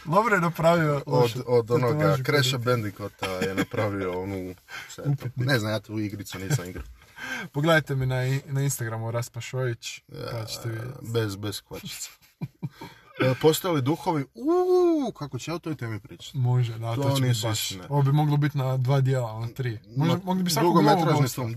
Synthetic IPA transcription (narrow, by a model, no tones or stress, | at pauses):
d̪obɾojenapɾaʋiood̪od̪onoɡakɾeʃabend̪ikot̪ajenapɾaʋioonuseupit̪ninezamjaːt̪uiɡɾit̪suniːsamiɡɾa | poɡled̪ajt̪eminanainst̪aɡɾamuɾaspaʃojit͡ɕad̪at͡ʃe̥t̪eʋid̰̪ʲbezbesxat͡ʃi̥ | post̪ojalid̪uxoʋiukakot͡ɕejaut̪o̞jt̪eːmipɾiːt͡ʃḁt̪moʒed̪at̪ooniaʃoʋobimo̞ɡlˠobit̪nad̪ʋaːd̪jeːlˠalnat̪ɾiːmoɡimoɡlibisaɾukɡomeɾaoit̪o